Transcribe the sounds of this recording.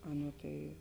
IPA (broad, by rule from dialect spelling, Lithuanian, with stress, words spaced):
ˈɑːˌnuɔ tɐɪ